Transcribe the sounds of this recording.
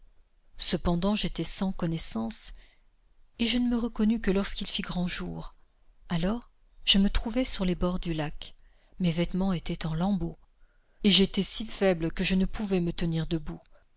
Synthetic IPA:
səpɑ̃d̪ɑ̃ʒet̪ɛsɑ̃kɔnɛsɑ̃s | eʒənəməʁəkɔnykəlɔʁskʲilfiɡʁɑ̃ʒṵːʁ | alɔʁ | ʒ̥əmət̪χuvɛsyʁlebɔʁd̪ylak | mevɛt̪mɑ̃et̪ɛt̪ɑ̃lɑ̃bo | eʒet̪ɛsifɛblkəʒənəpuvɛmət̪əniʁd̪əbu

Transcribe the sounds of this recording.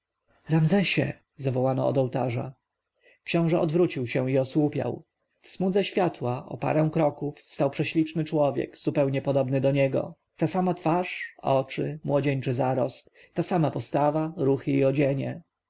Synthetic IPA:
ɾamzɛɕɛ̰ | zavɔwanɔ̰ɔ̰d̪ɔwt̪aʐa̰ | kɕɔ̃w̃ʐɛʔɔd̪vɾut͡ɕiwɕɛ̃iɔswupʲja̰w | fsmud̪zɛɕfʲjat̪waʔɔ̰pa̰ɾɛ̃w̃kɾɔkufst̪awpʂɛɕlʲit͡ʂnɘt͡ʂwɔvʲjɛ̰kz̥upɛwɲɛpɔd̪ɔbnɘd̪ɔɲɛɡɔ̰ | t̪asamat̪faʂɔt͡ʂɘmwɔd͡ʑɛɲt͡ʂɘzaɾɔst̪ | t̪asamapɔst̪avaɾuxɘiɔd͡ʑɛɲɛ̰

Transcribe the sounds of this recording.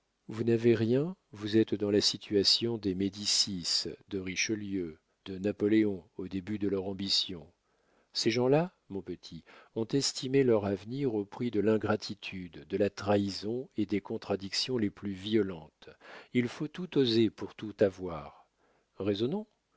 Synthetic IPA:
vunaveʁjɛ̃vuzɛt̪d̪ɑ̃lasit̪ʰyasjɔ̃d̪emed̪isisd̪əʁiʃəljø | d̪ənapɔleɔ̃od̪ebyd̪əlœʁɑ̃bisjɔ̃ | seʒɑ̃la | mɔ̃pət̪ʰiɔ̃t̪ɛst̪ʰimelœʁavniʁopχid̪əlɛ̃ɡʁat̪ʰit̪ʰyd̪ːəlat̪χaizɔ̃ed̪ekɔ̃t̪χad̪iksjɔ̃leplyviɔlɑ̃t̪ilfot̪ut̪ozepuʁt̪ut̪avwaːʁ | ʁezɔnɔ̃

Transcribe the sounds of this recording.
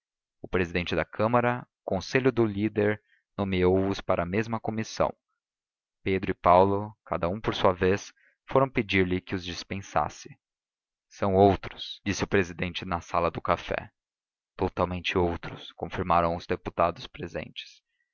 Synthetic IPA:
ʊpɾezid̪ẽnt͡ʃɪd̪ɐakʰɐ̃mɐɾɐ | kõseʎʊd̪ʊlid̪eɾ | nomiowʊspaɾʔɐmezmɐkomisɐ̰̃w̃ | ped̪ɾʊɪpawlʊkad̪ɐũpoɾsuɐves | foɾɐ̃w̃ped͡ʒiɾlɪkɪʊzd͡ʒispẽsa̰sɪ̥ | sɐ̃w̃owt̪ɾʊ̥sd͡ʒisɪʊpɾezid̪ẽnt͡ʃɪnɐsalɐd̪ʊkafɛ̰ | t̪ot̪awmẽnt͡ʃɪowt̪ɾʊskõfiɾmaɾɐ̃w̃ʊzd̪eput̪ad̪ʊspɾezḛ̃nt͡ʃɪ̥s

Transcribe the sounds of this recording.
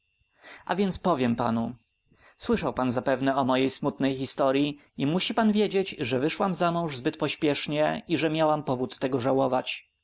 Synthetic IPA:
ʔa̰vʲjɛnt̪spɔvʲjɛmpa̰nu | swɘʂawpanzapɛvnɛɔmɔjejsmut̪nɛjxist̪ɔɾʲji | imuɕipanvʲjed͡ʑet͡ɕʐɛvɘʂwamzamɔ̃w̃ʐzbɘt̪̚pɔɕpʲjɛʂɲɛiʐɛmʲjawampɔvut̪ːɛɡɔʐawɔvat͡ɕ

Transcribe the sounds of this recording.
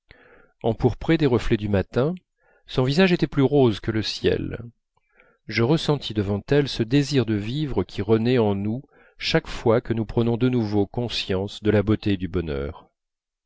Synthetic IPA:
ɑ̃puʁpχɛd̪eʁəflɛd̪ymat̪ɛ̃ | sɔ̃vizaʒet̪ɛplyʁozkələsjɛ̰l | ʒəʁəsɑ̃t̪ʰid̪əvɑ̃t̪ɛlsəd̪eziʁd̪əvivʁəkʲʰiʁənɛɑ̃nu | ʃakfwakənupχənɔ̃d̪ənuvokɔ̃sjɑ̃sd̪əlabot̪ed̪ybɔnœ̰ːʁ

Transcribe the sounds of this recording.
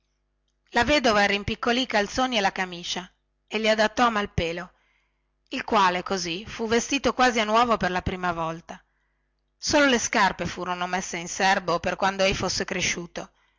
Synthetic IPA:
laveːd̪ovaɛːɾaimpikːoliːkalt̪soːnielakamiːt͡ʃa | elːiad̪at̪ːɔamalpeːlo | ilkwaːlekozifuvːest̪iːt̪okwaːzianːwɔːvoperlapɾiːmavɔlt̪a | soːloleskarpefuːɾonomesːeinsɛrboperkwand̪oejfosːekɾeʃuːt̪o

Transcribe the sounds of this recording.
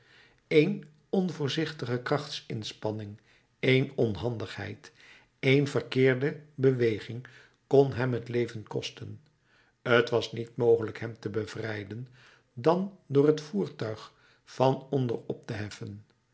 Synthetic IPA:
ejn | ɔnvʊːɹzɪχtəχəkrɑχtsɪnspɑnɪŋ | ejnɔnɦɑndəχɦɛ̰jt | ejnvərkɪːɹdəbəʋejχɪŋ | kɔnɦɛmɦətlejvənkɔstən | ətʋɑsnitmowχələkɦɛmtəbəv̥rɛjdən | dɑndʊːɹɦətfuːɹtœɥχ | fɑnɔndə̰rɔp̚təɦɛfən

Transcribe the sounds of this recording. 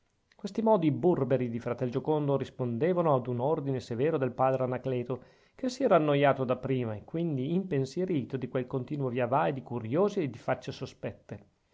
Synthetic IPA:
kwest̪imɔːd̪iburbeɾid̪ifɾat̪ɛld͡ʒokond̪oɾispond̪eːvanoad̪unord̪inesevɛːɾod̪elpaːd̪ɾeanaklɛːt̪o | kesːiɛːɾaːnːojaːt̪od̪apːɾiːmaekːwind̪iːmpensjeɾiːt̪od̪ikwelkont̪iːnwovjavaed̪ikuɾjoːzied̪ifat͡ʃːesospɛt̪ːe

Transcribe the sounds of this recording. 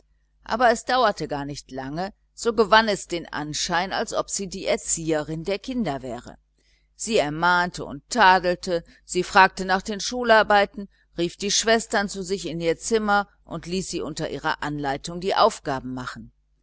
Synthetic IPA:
ʔa̰ːbɐɛsd̥aʊɐtəɡaːɐnɪçtlaŋə | z̥oːɡəvanɛsd̥eːnʔa̰nʃaɪna̰lsʔɔpz̥iːdiːʔɛɐt͡siːəʁɪndeːɐkʰɪndɐvɛːʁə̰ | z̥iːɛɐmaːntəʊ̰ntʰːaːdl̩tə | z̥iːfʁ̥aːk̚tənaːχd̥eːnʃuːlaɐbaɪtn̩ | ʁiːfd̥iːʃv̥ɛstɐnt͡suzɪçɪniːɐt͡sɪmɐ | ʔʊntliːsz̥iːʔʊntɐʔiːʁɐ̰ʔanlaɪtʊŋdiːʔaʊfɡ̥aːbm̩maχn̩

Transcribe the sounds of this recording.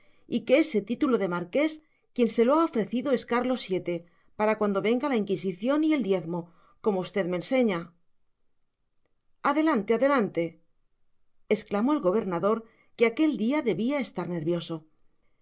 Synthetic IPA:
ike̞ese̞t̪it̪ulo̞ðe̞maɾke̞s | kje̞nse̞loao̞fɾe̞θiðoeskaɾlo̞sje̞t̪e̞ | paɾakwand̪o̞βe̞ŋɡalaiŋkisiθjo̞nie̞ld̪je̞θmo̞ | ko̞mo̞ust̪e̞ðmeːnse̞ɲa | aðe̞lant̪e̞aðe̞lant̪e̞ | esklamo̞elɣo̞β̞e̞ɾnaðo̞ɾ | ke̞ake̞ld̪iaðe̞βiae̞st̪aɾne̞ɾβjo̞so̞

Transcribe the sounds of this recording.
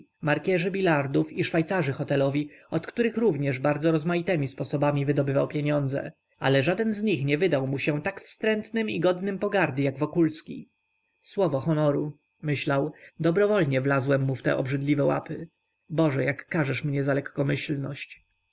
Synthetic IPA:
maɾkʲɛʐɘbʲilaɾd̪ufiʂfajt̪saʐɘxɔt̪ɛlɔvʲiɔt̪kt̪uɾɘxɾuvɲɛʐbaɾd̪zɔɾɔzmajit̪ɛmʲispɔsɔbamʲivɘd̪ɔbɘvawpʲjeɲɔnd̪zɛ̰ | a̰lɛʐad̪ɛnzɲixɲɛvɘd̪awmuɕɛt̪akfst̪ɾɛnt̪nɘmḭɡɔd̪nɘmpɔɡaɾd̪ɘjaɡvɔkulskʲḭ | swɔvɔxɔnɔɾu | mɘɕlawd̪ɔbɾɔvɔlɲɛvlazwɛmːuft̪ɛ̰ʔɔ̰bʐɘd̪lʲivɛwa̰pɘ | bɔʐɛjakːaʐɛʂmɲɛzalɛkːɔmɘɕlnɔ̰ɕt͡ɕ

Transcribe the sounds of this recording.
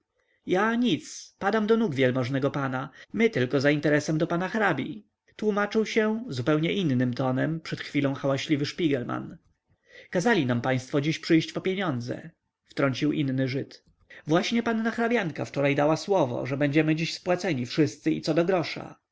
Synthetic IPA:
jaɲit̪spad̪amd̪ɔnuɡvʲjɛlmɔʐnɛɡɔpanamɘt̪ɘlkɔzaint̪ɛɾɛsɛmd̪ɔpanaxɾabʲḭ | t̪wumat͡ʂɘwɕɛzupɛwɲɛʔinːɘmt̪ɔnɛmpʂɛt̪xfʲilɔ̃w̃xawaɕlʲivɘʂpʲiɡɛlma̰n | kazalʲinampaj̃st̪fɔd͡ʑiɕpʂɘjɕt͡ɕpɔpʲjeɲɔnd̪zɛ̰ | ft̪ɾɔɲʲt͡ɕiwʔinːɘʐɘt̪ | vwaɕɲɛpanːaxɾabʲjaŋka̰ft͡ʂɔɾajd̪awaswɔvɔ̰ʐɛbɛɲd͡ʑɛmɘd͡ʑiɕspwat̪sɛɲifʂɘst̪sɘḭt̪sɔd̪ɔɡɾɔʂa̰

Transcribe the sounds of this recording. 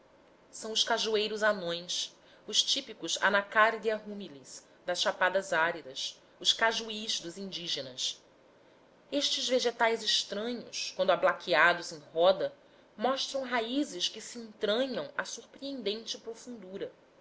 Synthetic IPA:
sɐ̃w̃ʊʃkaʒuejɾʊzanõj̃s | ʊʃt͡ʃipikʊza̰nakaɾd̪iɐɦumilis | d̪ɐsʃapad̪ɐzaɾid̪ɐs | ʊʃkaʒuiʃd̪ʊzĩnd͡ʒiʒenɐs | eʃt͡ʃɪzveʒet̪ajzɪʃt̪ɾɐ̃ɲʊ̰skwɐ̃nd̪ʊablakʰiad̪ʊzẽj̃ɦɔd̪ɐ | mɔʃt̪ɾɐ̃w̃ɦaizɪskɪsiẽnt̪ɾɐ̃ɲɐ̃w̃asuɾpɾiẽnd̪ẽnt͡ʃɪpɾofũnd̪uɾɐ

